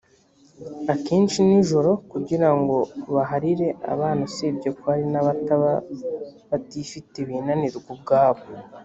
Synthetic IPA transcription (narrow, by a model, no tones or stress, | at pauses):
akeːnʃiniʒo̞ɾo̞kuɟiɾaŋɡo̞βaɦaɾiɾe̞ʔa̰βaːnusebɟokoaɾinaβataβa | βatifiteβinaniɾɡub̚ɡaːβo